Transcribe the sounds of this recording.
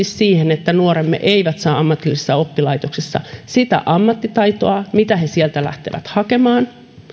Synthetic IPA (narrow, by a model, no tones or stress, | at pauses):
issiːhenet̪ːænuoɾemːḛʔeiʋæt̪sɑːɑmːɑt̪ilːisesːɑo̞pːilɑit̪oksesːɑ̰sit̪æ̰ʔɑmːɑt̪ːit̪ɑit̪oɑmit̪æhesiɛlt̪ælæ̰ht̪eʋæ̰t̪hɑkemɑːn